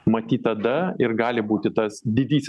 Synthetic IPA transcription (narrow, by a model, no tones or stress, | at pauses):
mɐt̪ʲiːt̪ɐd̪ɐɪɾɡɑːlʲɪbuːt̪ʲɪt̪ɐsd̪ʲɪd̪ʲiːsʲ